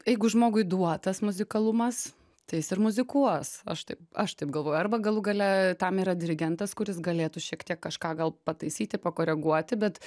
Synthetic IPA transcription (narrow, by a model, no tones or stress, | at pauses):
jɛɪɡʊʒmoːɡʊɪd̪uɔt̪ɐsmʊzʲɪkɐlˠʊmɐs | t̪ɐɪjɪsɪrmʊzʲɪkuɔsɐ̰ʃt̪ɐɪpɐʃt̪ɐɪp̚ɡɐlˠʋoːjʊɐɾbɐɡɐlˠʊɡɐlʲɛt̪ɐmiːɾɐd̪ʲɪɾʲɪɡʲɛnt̪ɐskʊɾʲɪsɡɐlʲeːt̪ʊʃʲiɛkt̪ʲiɛkːɐʃkɑːɡɐlˠpɐt̪ɐɪsʲiːt̪ʲɪpɐkoːɾʲɛɡuɔt̪ʲɪbʲɛt̪